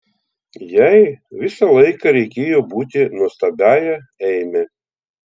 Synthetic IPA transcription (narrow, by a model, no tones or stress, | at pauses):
jɛɪʋʲɪsɐlˠɐɪkɐɾʲɛɪkʲeːjoːbuːt̪ʲɪnust̪ɐbʲæːjɛ | ɛɪmʲɛ